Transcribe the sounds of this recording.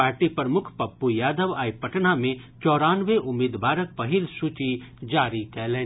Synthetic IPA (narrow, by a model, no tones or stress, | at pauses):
aːɾʈipəɾəmʊkʰpɐpːujaːd̪əʋaːipɐʈnamẽ | t͡ʃɔːɾaːnʋeʔʊmeːd̪baːɾək̚pɐɦɪlsuːt͡ʃid͡ʒaːɾikɛleː